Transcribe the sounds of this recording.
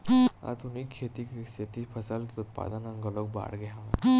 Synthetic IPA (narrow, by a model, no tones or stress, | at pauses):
a̰d̪ʰʱunikʰːet̪ikeset̪ipʰəsalkiut̪̚pa̰d̪ənə̃ŋɡəlok̚ba̰ɽɡeɦã